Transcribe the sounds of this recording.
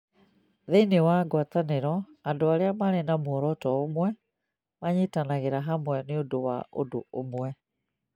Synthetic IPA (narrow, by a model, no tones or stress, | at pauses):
ðeinewaɡwataneɾɔ | adoaɾeamaɾenamoɔɾɔtɔːmwɛ | maɲetanaɣeɾaɦamwɛneodowa̰o̰doomwɛ